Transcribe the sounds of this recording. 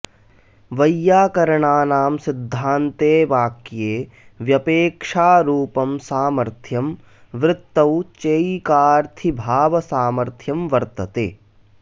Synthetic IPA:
ʋɐjːaːkɐɾɐɳaːnaːmsid̪ʱːaːnt̪eːʋaːkjeː | ʋjɐpeːkʂaːɾuːpɐmsaːmɐɾt̪ʰjɐm | ʋɾɪt̪ːɐwt͡ʃeːjkaːɾt̪ʰibʱaːʋɐsaːmɐɾt̪ʰjɐmʋɐɾt̪ɐt̪ḛː

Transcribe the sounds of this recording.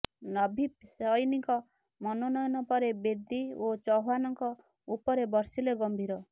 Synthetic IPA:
nɔbʱipsɔjniŋkɔ | mɔnɔnɔjɔnɔpɔɾebed̪iot͡ʃɔɦanɔŋkɔ | upɔɾebɔɾsileɡɔmbʱiɾɔ

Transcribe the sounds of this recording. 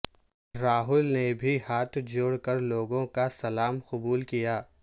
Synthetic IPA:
ɾaːɦʊlnebʱihaːt̪ʰd͡ʒoːɽkəɾloːɡõkasɐlaːmqʊbuːlkijaː

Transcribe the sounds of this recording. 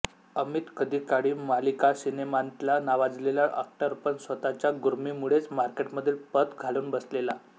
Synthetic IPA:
əmit̪kəd̪iːkaɽiːmalikasinemant̪lanaʋad͡zleljaʔə̰k̚ʈaɾupənsʋət̪at͡ɕjaɡuɾmiːmuɽet͡smaɾkeʈməd̪ʱːiːlpət̪ɡʱaluːnbəslela

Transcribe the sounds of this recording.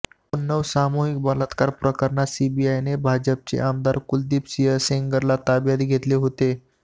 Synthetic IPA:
onːəʋsamoɦik̚bələt̪kaɾpɾəkəɾɳasibiajnebʱad͡ʑəp̚t͡ɕḛʔamd̪aɾkuld̪ipsiəseŋɡəɾlat̪abjad̪ɡʱet̪leɦot̪e

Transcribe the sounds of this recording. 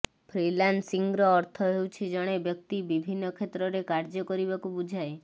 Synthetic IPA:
pʰɾilansiŋɡɾɔːɾt̪ʰɔɦewt͡ʃʰid͡ʒɔɽ̃ebjɔk̚t̪ibibʱinːɔkʰet̪ɾɔɾekaɾd͡ʒɔkɔɾibakubud͡ʒʱae

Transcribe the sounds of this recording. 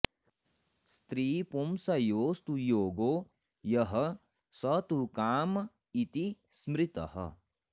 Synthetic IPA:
st̪ɾiːpomsɐjoːst̪ujoːɡoː | jɐɦɐ | sɐt̪ukaːm | it̪i | smɾɪt̪ɐ̰ɦɐ̰

